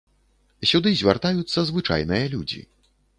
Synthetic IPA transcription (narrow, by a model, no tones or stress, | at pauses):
sʲud̪ɨzʲvʲart̪ajut̪sːɐzvɨt͡ʂa̰jnɨjɐlʲud͡zʲḭ